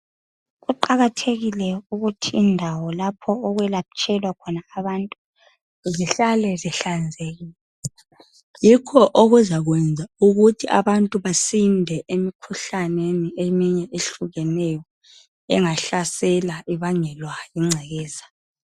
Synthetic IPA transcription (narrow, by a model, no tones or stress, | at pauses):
ɣuǃaɣatʰeɣilɛuɣutʰiːndʱawɔlapʰɔːɣwɛlat͡ʃʼʰɛlwakʰɔnaːβantʼu | ziɬalɛziɬand͡zʱeɣiːl | ɛ | jikʰɔʔoɣuzaɣwɛnd͡zʱauɣutʰiʔa̰βantʼuβasindʱɛʔemikʰuɬaneniʔemiɲɛʔeɬuɣɛnɛjɔ | ɛ̰ŋaɬasɛlaʔiβaŋɛlwajiŋ͡ǀʱɛɣɛːza